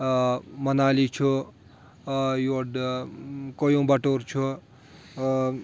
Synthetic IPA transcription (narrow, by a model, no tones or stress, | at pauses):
mɐnaːlit͡ʃʰu | joɖ | kojõbɐʈoɾt͡ʃʰu